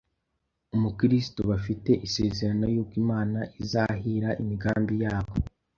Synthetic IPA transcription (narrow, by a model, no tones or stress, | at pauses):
umukiɾis̬i̥toβafite̞ʔiseːze̞ɾano̞jobɡiːmaːnaʔizaɦiɾaʔimiɡaːmbijaːβo